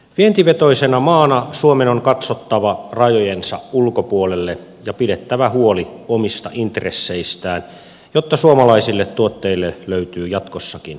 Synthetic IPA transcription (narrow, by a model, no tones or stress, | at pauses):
ʋient̪iʋet̪oisenɑmɑːnɑsuomenoŋkɑt̪sot̪ːɑʋɑrɑjojensɑ̰ulkopuolelːe | jɑpidet̪ːæʋæhuoliomist̪ɑʔint̪resːeist̪æːn | jot̪ːɑsuomɑlɑisilːet̪tuot̪ːeilːeløyt̪yːjɑt̪kosːɑkin